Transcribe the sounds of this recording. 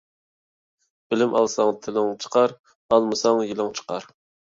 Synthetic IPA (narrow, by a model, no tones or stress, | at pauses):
b̥ɪlɪmʔɑlˠsɑŋt̪ʰɪlɪŋt͡ʃʰə̥qʰɑɾ | ɑlˠmɨsɑŋjilˠɪŋt͡ʃʰə̥qɑɾ